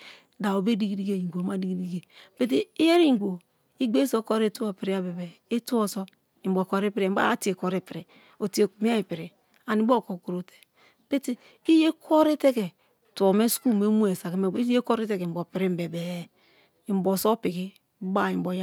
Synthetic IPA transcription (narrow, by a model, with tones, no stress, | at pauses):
da˨o˨be˦di˦ɡi˦di˦ɡe˦˨i˨ŋɡʷo˨ma˦di˦ɡi˦di˦ɡe˨pe˦t̬i˦i˦je˦ɾi˦ŋ˨ɡʷo˨ | i˦ɡ͡be˦so˦ko˦ɾe˦tu˦o˨pi˨ɾi˦a˦be˨be˨e˦tu˦o˦so˦ | i˨mbo˨ko˨˦ɾi˦pi˦ɾe˨˦ba̰˦a˦ti˦e˨ko˨ɾi˦pi˨ɾi˨ | o˨ti˨e˨mi˦a˦i˨pi˨ɾi˨ | a˨ni˨˦bo˦˨ko˨ku˨ɾo˨te̥˨ | pe˦ti˦ | i˦je˦kʰo˦ɾi˦te˦ke˨ | tu˨o˨me˦sku˦˨me˦mu˦e˨sa˨ke˨me˨˦e˦ko˦ɾi˦te˦ke˨m̩˨bo˨pi˨ɾi˦m˨be˨be˨ | i˨m˨bo˨so˦pi˨ki˦ | ba˦˨i˨mbo˨ja˦